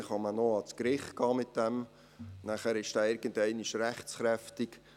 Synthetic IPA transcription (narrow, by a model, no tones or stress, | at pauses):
χhɑmənoɑt͡skɾɪχt̚kɑːmɪt̚d̥ɛm | næχæɾɪʃd̥æːɪɾɡ̥əndɛɪnɪʃræχt͡sχɾɛftɪk